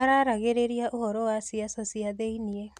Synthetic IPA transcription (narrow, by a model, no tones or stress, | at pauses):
aɾaɾaɣeɾeɾiaʔoɦɔɾowasiasosiaðeinie